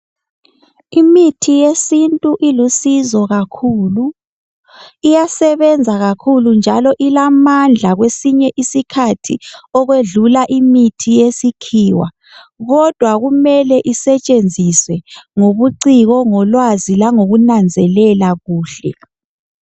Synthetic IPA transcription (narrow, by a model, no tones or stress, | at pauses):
imitʰijesintʼuʔilusizɔɣakʰuːlu | ijasɛβɛnd͡zʱaɣakʰulund͡ʒʱalɔʔilamand͡ɮʱaɣwesiɲɛʔisikʰatʰḭɔɣweɮulaʔimitʰijesikʰiːwa̰ | ɣɔd̥ʱwaɣumɛlɛʔisɛt͡ʃʼend͡zʱiswɛŋoβuǀiɣɔŋɔlwazilaŋoɣunand͡zʱɛlɛlaɣuːɬɛ